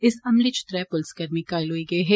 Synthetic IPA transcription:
ɪsɐmlit͡ʃɪ̥t̪ɾɛpʊlskɐɾmikaːɪlɦoːiɡɐiɦɛː

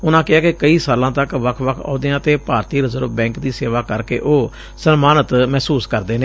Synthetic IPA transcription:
ʊnãːkɪaːkekəiːsaːlãːt̪əkʋəkʰʋəkʰɔ̰ːd̪ɪjãːt̪eːpaːɾt̪iːɾəzəɾbɛ̃ːŋkd̪iːseːʋaːkəɾkḛːʔoː | sənmaːnət̪mɛːsuːskəɾd̪eːneː

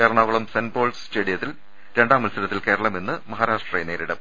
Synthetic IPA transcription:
eːɾɐɳɐːʋɐɭumsenbo̞ːlst͡ɕeːɽijɐt̪ːil | ɾe̞ɳɖaːmɐlsɐɾɐt̪ːilke̞ːɾɐɭɐme̞nːɨmɐɦaːɾaːʂʈrejene̞ːɾiɽɐm

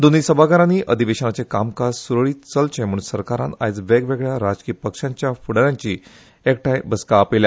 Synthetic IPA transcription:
d̪onisəbʱaɡaɾaniːʔəd̪ʱiʋeɕənat͡sekamkazsuɾəɭiːt͡səlt͡ɕʰẽm̤uɳsəɾkaɾã̰na̰jd͡zʋeɡʋeɡɭjaɾad͡ʑkiːpəkʂãɲt͡ɕjafuɽəɾjãɲt͡ɕiː | ek̚ʈajbəskaːpilja

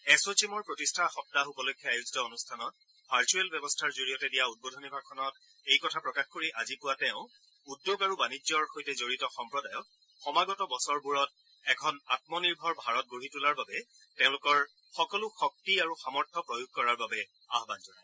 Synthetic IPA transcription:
ɛsot͡ʃimɔɹpɹotistʰaxɔp̚taupɔlojkʰːɔajuzitɔonustʰanɔt̚ | b̥ʱaɹt͡ʃuɛlbɛbɔstʰaɹzoɹijɔtɛdijaut̚bɔdʱɔnibʱaɡkʰːɔnɔt | ejkɔtʰapɹɔkaxkoɹiʔazipʊwatɛʊ̃ | udːjoɡaɹubanid͡ʒɔɹxojtɛzoɹitɔxɔmpɹɔdajɔk̚ | xɔmaɡɔtɔbɔsɔɹbuɹɔt̚ | ɛkʰɔnat̚mɔniɹbʱɔɹbʱaɹɔt̚ɡoɦitulaɹbabɛ | tẽʊ̃lʊkɔɹ | xɔkɔlʊxɔk̚tiaɹuxamɔɹtʰɔpɹojuɡ̚kɔɹaɹbabɛ | aɦbanzɔna̰

